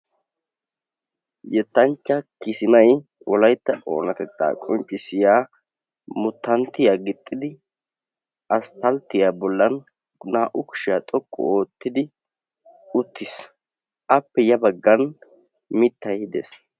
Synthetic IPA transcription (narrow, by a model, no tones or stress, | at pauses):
jɛt̪ːɐnt͡ʃːɐkɪsɪmɐj | wʔɔlɐjt̪ːɐʔʼoːnɐt̪ɛt͡s̪ːa̰ːkʼɔnt͡ʃʼːɪsɪjaː | mʊt̪ːɐnt̪ːɪjaːɡɪt̪ʼːɪd̪ɪ | ʔɐspɐlt̪ːɪjaːbɔlːɐn | naːʔʊkʊ̥ʃɪjat̪ʼɔkʼːɔ̰oːt̪ːɪd̪ɪ | ʊt̪ʰːɪs | ʔɐpːɛjɐbɐɡːɐn | mɪt̪ːɐjɪd̪ḛs